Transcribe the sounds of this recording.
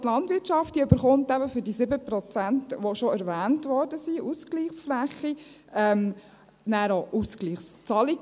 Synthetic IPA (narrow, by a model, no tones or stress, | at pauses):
t̪lɑndʋɪtʃɑftd̥iøbəɾχʊntæbəfʏɾdisɪbəpɾɔt͡sæntʋoʃoæɾʋæːntʋɔɾdəsiʔuskliːχsflæχːi | ɛm | næːɾoʔuskliːχst͡sɑliɡ